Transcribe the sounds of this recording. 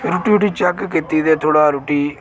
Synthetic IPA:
ɾuːʈiːuʈiːt͡ʃɛkkɪt̪ːiːd̪eːt̪ʰoːɽaːɾuʈiː

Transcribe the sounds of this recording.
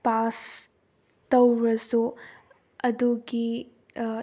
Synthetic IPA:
pas | tɐwɾɐsu | ɐduɡi

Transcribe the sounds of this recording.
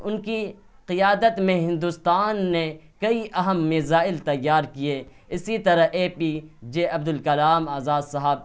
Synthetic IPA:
ʊnkiqɪjaːd̪ət̪mẽɦɪ̃nd̪ust̪aːnːekɐiʔɐɦəmːɪzaːɪlt̪ɐjːaːɾkie | ɪsit̪ɐɾɐɦeːpid͡ʒeːʔɐbd̪ʊlkɐlaːmaːzaːd̪sɐɦəb̚

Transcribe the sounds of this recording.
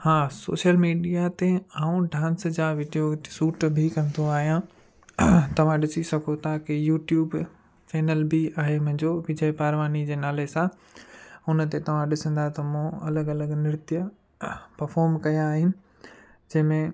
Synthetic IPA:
haːso̰ːʃjəlmiːɖijat̪eaːũɖãːnsd͡ʑaːʋiːɖijosuːʈbʱikɐ̃nd̪oaːɦijã | t̪ɐʋ̤ãɗɪsisɐkʰot̪ʰakɪjuːʈjuːb | faːnəlbiaːɦemʊ̃ɦɪ̃ɲd͡ʑoʋid͡ʑəipaːɾʋaːnid͡ʑeːnaːlesã | ʊnət̪et̪ɐʋ̤ãɗɪsə̃nd̪at̪ɐmũɐləɡɐləɡnɪɾɪt̪ijə | pɐɾfɔːɾmkɐjaːɦɪnɪ̆ | d͡ʑɐ̃ɦɪ̃mẽ

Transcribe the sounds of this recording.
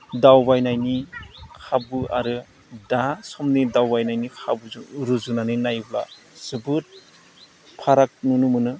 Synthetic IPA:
dawbajnajnikʰabɯʔa̰ɾɯ | dasɔmnidawbajnajnikʰabuɾuzunanɯnajbla̰ | z̥ɯbɯt̚ | pʰaɾak̚nunumɯnɯ

